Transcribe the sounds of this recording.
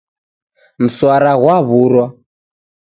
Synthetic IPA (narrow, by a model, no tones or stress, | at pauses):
m̩swaɾaɣwaβuɾwa